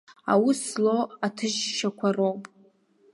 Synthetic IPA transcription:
a̰wisloatʰɨʒʃakʷʰarowpʼ

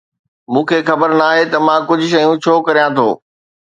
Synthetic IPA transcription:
mũːkʰeːxɐbəɾnaːɦet̪ɐmãkʊd͡ʑʱʊ̆ʃɐjũt͡ɕʰoːkɐɾijãt̪ʰo̰ː

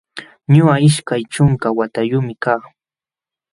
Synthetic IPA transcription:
ɲʊaɪʃkajt͡ʃʊŋkawat̪ajʊmɪkaː

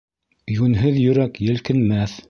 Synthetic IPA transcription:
jʉnɦɘðjɵ̆ɾækjɘ̆lkɘ̆nmæθ

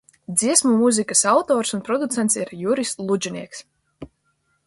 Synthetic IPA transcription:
d̪ziɛsmumuzʲikasawt̪ɔːɾsunpɾɔd̪ut̪ɛnt̪siɾjuɾislˠud͡ʒʲiniɛks

